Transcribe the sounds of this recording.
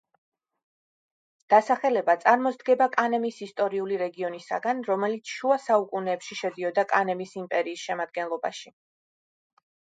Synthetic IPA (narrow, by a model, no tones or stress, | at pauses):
d̪̥asaχɛlɛbat̪sʼaɾmɔzd̪ɡɛbakʼanɛmisist̪ʼɔɾiuliɾɛɡiɔnisa̰ɡanɾɔmɛlit̪sʰʃuasaukʼunɛːpʃiʃɛd̪iɔd̪akʼanɛmisimpʼɛɾiːsʃɛmad̪̚ɡɛnlˠɔba̰ʃi